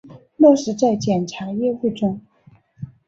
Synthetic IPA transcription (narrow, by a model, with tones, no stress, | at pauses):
mwɔ˥˩ʂɻ̩˧˥t͡sa˥˩ɪt͡ɕjɛ˨˩nʈ͡ʂʰa˧˥jɛ˥˧xe˥˩ɪʈ͡ʂʊ˥ŋ